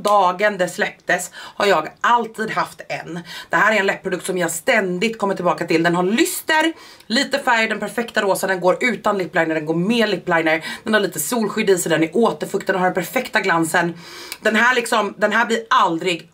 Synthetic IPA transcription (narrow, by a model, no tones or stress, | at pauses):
d̪ɑːɡənd̪ɛslɛpt̪əshaɾjɑːɡʔalt̪ʰiːd̪ɦaft̪ɛ̰nd̪̥ɛɦæːɾæɾɛnlɛpʰːɾʊd̪ɵkt̪sɔmjahast̪ɛnd̪ɪɡ̚t̪̚kʰɔmːəʈʰːɪlbɑːkat̪ɪld̪ɛnɦaɾɭʏst̪əɾ | liːt̪əfæɾjd̪ɛnpʰæɾfɛkt̪aɾoːsad̪ɛnɡoːɾʉ̟ːt̪anlɪpːlajnəɖ̪ɛnɡoːɾmeːɭɪpːlajnəɾd̪̥ɛnhaɾɭiːt̪əsuːlɧʏd̪iːsɔd̪ɛnæɾʔoːt̪əɾfɵkt̪ənnhaɖ̪ɛnpʰæɾfɛkt̪aɡlansənd̪ɛnɦæːɭɪksɔmd̪ɛnɦæːblɪɾald̪ɾɪɡ